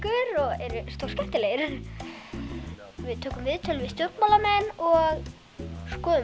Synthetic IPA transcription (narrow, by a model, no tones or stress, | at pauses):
kʏɾɔɣɛɾʏst̪owrskɛft̪ɪleːjɾ | vɪðt̪ʰøːkʏmvɪðt̪ʰɪlvɪst̪jɔr̥ɾk̪mɔlamɛnɔɣ | skɔːðʏ